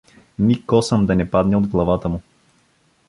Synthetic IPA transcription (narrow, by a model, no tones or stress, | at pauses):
nikɔsəmd̪ɐnɛpad̪nɛod̪ɡlˠɐvat̪əmu